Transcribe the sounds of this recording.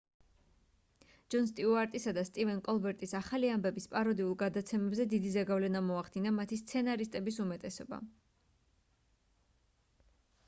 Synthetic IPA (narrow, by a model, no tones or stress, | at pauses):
d͡ʒɔns̬t̪ʼiuaɾt̪ʼisad̪ast̪ʼivɛnkʼɔlˠbɛɾt̪ʼisaχaliambɛbispʼaɾɔd̪iulˠɡad̪at̪sʰɛmɛbzɛd̪id̪izaɡavlɛnamɔaχd̪inamat̪ʰist̪sʰɛnaɾist̪ʼɛbisumɛt̪ʼɛsɔba̰